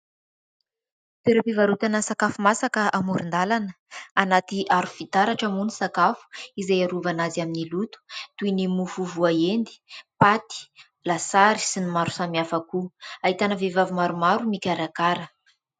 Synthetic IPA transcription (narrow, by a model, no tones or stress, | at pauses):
t̪eɾapivaɾut̪anəsakafumasakəʔamuɾind̪alanə | anat̪iʔaɾufit̪aɾaʈ͡ʂamunisakafu̥izejaɾuvanazaminilut̪u̥t̪uinimufuvuaend̪i̥pat̪i̥ | lasaɾi̥sinimaɾu̥samiafakuaɦit̪anəvevavumaɾumaɾumikʲaɾakaɾə